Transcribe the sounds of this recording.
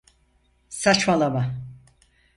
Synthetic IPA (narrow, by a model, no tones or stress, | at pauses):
sat͡ʃmalˠaba